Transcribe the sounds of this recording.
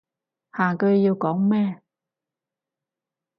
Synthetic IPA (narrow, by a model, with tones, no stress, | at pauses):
haː˨˩kɵ˧ɥjiː˧wkɔː˨˥ŋmɛː˥